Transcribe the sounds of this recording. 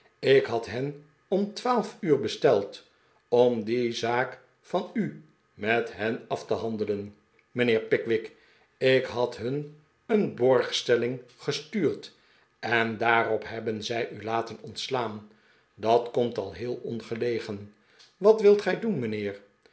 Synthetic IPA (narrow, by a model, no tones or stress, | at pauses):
ɪkɦɑtɦɛn | ɔmtʋaːlˠfyːɹbəstɛlˠt | ɔmdizaːk | fɑny | mɛtɦɛnɑftəɦɑndələn | mənɪːɹpɪkʋɪk | ɪkɦɑtɦɵn | ənbɔɹχstɛlɪŋχəstyːɹt | ɛndaːɾɔpɦɛbənzɛjʔylaːtənɔntslaːn | dɑtkɔmtɑlˠɦɪːlˠɔnχəlejχən | ʋɑtʋɪlˠtχɛjdunmənɪːɹ